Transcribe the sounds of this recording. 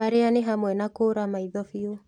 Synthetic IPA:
aɾeaneɦamwɛnakoɾamaiðɔfio

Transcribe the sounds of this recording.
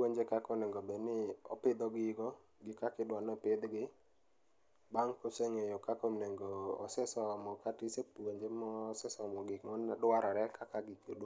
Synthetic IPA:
pueɲd͡ʒekakɔnɛŋɡobenɪɔ̰pɪd̪ɔɡɪɡɔ | ɡɪkakɪdwanɔpɪd̪ɡɪ | baŋkoseŋejɔkakomneŋɡɔːsɛsɔmɔkatɪsepweɲd͡ʒemɔsɛsɔmɔɡɪkmɔnadwaɾaɾɛkakaɡɪkodo

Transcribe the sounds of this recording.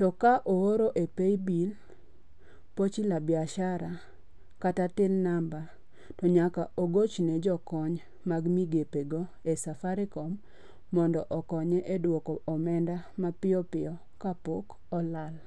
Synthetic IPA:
tɔkaʔooɾoʔepejbil | pot͡ʃilabɪaʃaɾa | katatɪlnamba | tɔɲakaʔoɡot͡ʃnɛd͡ʒɔkɔɲ | maɡmiɡepeɡɔ | esafaɾɪkɔmː | ɔndɔʔɔkɔɲɛʔedwɔkɔɔmɛndamapɪɔpɪɔ | kapok | ɔlal

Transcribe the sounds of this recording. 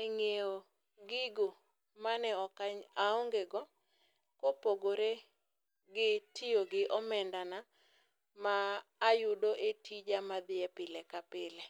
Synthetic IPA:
eŋeo | ɡɪɡo | manɛɔkaɲaɔŋɡeɡɔ | kopoɡoɾe | ɡɪtɪoɡɪʔɔmɛndana | maː | jʊdoʔetʰid͡ʒamad̪ɪɛpɪlɛkapɪle

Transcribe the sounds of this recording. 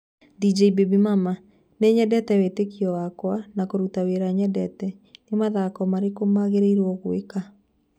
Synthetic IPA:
did͡ʒeibebimama | neɲɛdɛtɛwetekiɔwakwanakoɾutaweɾaɲɛdɛtɛnemaðakɔmaɾekomaɣeɾeiɾwɔɣweka

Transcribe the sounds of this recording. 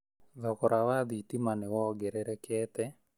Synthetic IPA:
ðɔkɔɾawad̪it̪imanɛwɔɡɛɾɛɾɛkɛt̪ɛ

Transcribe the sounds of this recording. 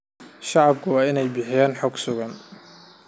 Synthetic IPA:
ʃɑʕɑb̚kʰʊwɑːɪnɛjbɪħɪjɛːnħɔɡsʊɣɐn

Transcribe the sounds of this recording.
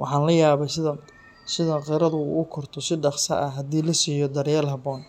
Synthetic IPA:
wɑħɑːnlɐjaːβɛsɪɐ | sɪðɐqɪɾɐðʊṵʊkʰɔrt̪ʰɔsɪɖɑqsɐ̰ʔɐɦɐd̪iːlɐsiːjɔd̪ɐɾjaːlɦɐbɔːn

